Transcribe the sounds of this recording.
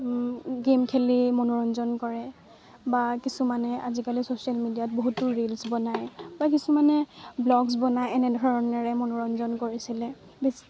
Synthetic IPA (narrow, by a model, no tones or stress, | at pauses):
ɡemkʰelimɔnɔɹɔnzɔnkɔɹɛ | bakisumanɛʔa̰zikalisosialmidijat̚boɦutʊɹilsbɔnajbak̬isumanɛblɔɡs̬bɔnajɛnɛdʱɔɹɔnɛɹɛmɔnɔɹɔnzɔnkoɹisilɛ | besi̥